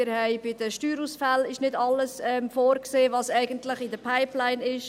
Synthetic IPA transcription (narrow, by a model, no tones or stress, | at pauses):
ɪɾhɛɪbɪd̥əʃtyːɾuːsfælɪʃnɪdɑləsɛmfoːɾkseːvɑsɛɪɡəntlɪχɪdəpʰaɪplaɪnɪʃ